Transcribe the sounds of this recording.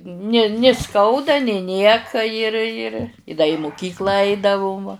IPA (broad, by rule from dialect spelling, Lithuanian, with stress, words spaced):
nʲɪ nʲɪ ˈskɐʊdɐ nʲɪ ˈnʲiɛkɐ ɪr ɪr ɪ dɐ ɪ mʊˈkʲiːklˠɑː ˈɐɪdɐʋʊm ʋɐ